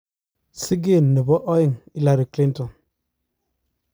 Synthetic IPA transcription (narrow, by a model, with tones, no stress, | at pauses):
si˦ɡi˦˨nːi˨bɔ˦ʔɔ˦ji˨ŋi˦la˨ɾi˨kli˦ntɔ˨n